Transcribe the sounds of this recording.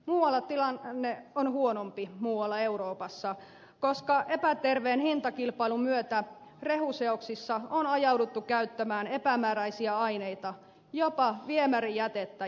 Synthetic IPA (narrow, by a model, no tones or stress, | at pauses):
muːwɑlːɑt̪ilɑnnːeonhuonompimuːwɑlːɑe̞uɾoːpɑsːɑ | koskɑʔe̞pæt̪erʋeːnhint̪ɑkilpɑilumyøt̪æ | re̞huseoksisːɑonɑjɑwdut̪ːukæyt̪ːæmæːne̞pæmæːɾæjsiæɑjneit̪ɑ | jopɑʋiemærijæt̪et̪ːæ